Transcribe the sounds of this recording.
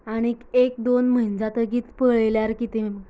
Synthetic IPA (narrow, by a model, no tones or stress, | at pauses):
aɽ̃ikek̚d̪onm̤ənd͡zat̪əɡiːt̪pəɭljaɾkit̪em